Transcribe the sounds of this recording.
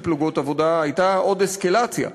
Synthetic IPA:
pluɡotavo̞daajtao̞d̪eskalat͡sja̰

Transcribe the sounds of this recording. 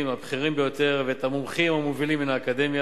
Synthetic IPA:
imabχiʁimbe̞jo̞t̪e̞ʁveet̪amomχimhamovilimːinaːkad̪e̞mja

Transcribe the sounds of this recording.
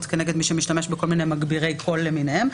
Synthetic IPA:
t̪keneɡed̪miʃemiʃtameʃbeko̞lminejmaɡbiʁejkʰo̞lːeminehem

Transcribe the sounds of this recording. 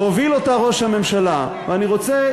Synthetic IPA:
ovilo̞taʁo̞ʃhame̞mʃala | veaniʁo̞t͡se

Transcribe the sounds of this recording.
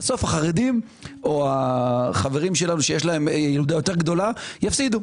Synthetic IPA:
so̞fhaχaʁed̪im | o̞aχaveʁimʃe̞lanuʃejeʃ̬lae̞mjilud̪ajo̞t̪e̞ʁɡd̪o̞lajafsid̪u

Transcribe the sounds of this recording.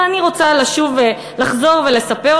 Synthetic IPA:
aniʁo̞t͡salaʃuve | laχzo̞ʁve̞le̞sape̞

